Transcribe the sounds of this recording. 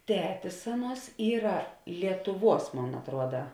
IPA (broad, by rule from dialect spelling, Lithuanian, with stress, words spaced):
ˈtʲæːtʲɪs ˈɑːˌnuɔs ˈiːrɐ lʲiɛtʊˈʋuɔs ˈmoːn ɐtˈruɔdɐ